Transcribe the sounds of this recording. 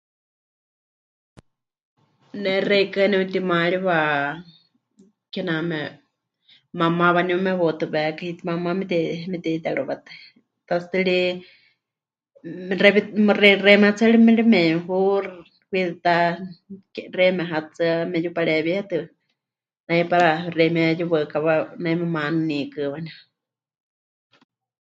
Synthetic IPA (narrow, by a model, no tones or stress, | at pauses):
nɛrɛikanɛut̪imaɺiβa | kɛnamɛ | mamãβanumɛβot̪ɨβɛkahit̪imamamɛt̪ɛmɛt̪ɛt̪aɺuβat̪ɨ̥ | t̪ast̪ɨɺi | rɛβimrɛrɛmɛhat͡sʰalimɛlimɛɦu | kʷit̪ɨt̪a | kɛrɛmɛɦat͡sɨamɛjupaɺɛβihɛt̪ɨ | najpaɾarɛmɛjuβɨkaβanajmɛmanɨnikɨβanu